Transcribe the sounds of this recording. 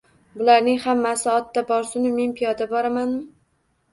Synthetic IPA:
bʊlaɾnɪŋhamːasɪɒt̪ʰːabɒɾsʊnɪme̞npʰijɒd̪abɒɾamanmɪ

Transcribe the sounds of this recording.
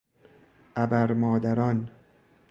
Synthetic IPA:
ʔæbæɾmɒːd̪æɾɒːn

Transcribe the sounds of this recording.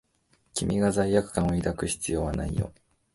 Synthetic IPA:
kʲimʲiɡazaiːakɯ̟̥kãɰ̃oid̪akɯ̟çi̥t͡sɨjo̞ːβana̰ḭjo̞̰

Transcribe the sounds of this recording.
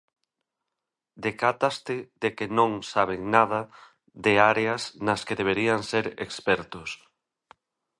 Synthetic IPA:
d̪ekat̪ast̪ɪðekɪnõŋsaβ̞eŋnaðɐ | ðeaɾeɐsnɐskeðeβ̞eɾiaŋseɾḛkspɛɾt̪ʊs

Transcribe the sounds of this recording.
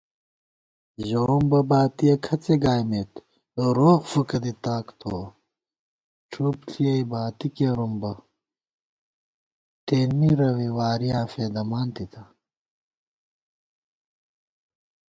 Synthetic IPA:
ʑoɾumbɐbaːt̪ijɐkʰɐt͡seɡaːjmet̪ | ɾoːɣfukɐd̪it̪aːkt̪ʰoː | ʈ͡ʂʰupɬʰijɐjbaːt̪ikeɾumbɐ | t̪eːnmiɾɐwiwaːɾijaːfeːd̪ɐmaːnt̪it̪ʰɐ

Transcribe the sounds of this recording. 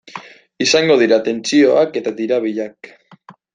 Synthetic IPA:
isaŋɡoðiɾat̪ent͡sioaket̪at̪iɾaβiʎak

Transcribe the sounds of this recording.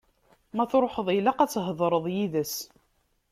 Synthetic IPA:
mæθɾˤoħəðˤilaqæt͡sːɦəðˤɾˤəðˤjiðəs

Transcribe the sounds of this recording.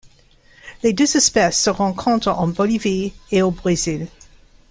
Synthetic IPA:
led̪øzɛspɛsːəʁɑ̃kʰɔ̃t̪χɑ̃bɔlivieobʁezil

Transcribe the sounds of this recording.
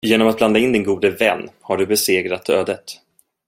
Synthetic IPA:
jeːnɔmat̪̚bland̪aɪnd̪ɪnɡuːd̪əvɛnːhaɖɵbɛseːɡɾat̪øːd̪ət̪

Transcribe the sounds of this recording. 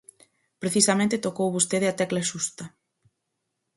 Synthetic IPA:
pɾeθisamẽnt̪et̪okowβust̪eðeat̪ɛklaʃust̪ɐ

